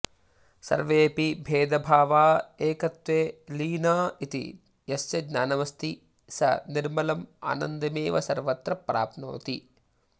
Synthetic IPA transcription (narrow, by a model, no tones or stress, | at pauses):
sɐ̰ɾʋeːpibʱeːd̪ɐbʱaːʋaːeːkɐt̪ʋeːliːnaːit̪ḭ | jɐst͡ʃɐɡnaːnɐʋɐst̪i | sɐ̰niɾmɐlɐma̰ːnɐnd̪ɐmeːʋɐsɐɾʋɐt̪ɾɐpɾa̰ːpno̰ːt̪i